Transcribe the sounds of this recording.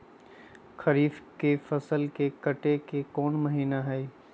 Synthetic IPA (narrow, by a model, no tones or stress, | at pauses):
xɐɾiːfkefɐsəlkekɐʈekekɔːnməɦiːnaɦɛː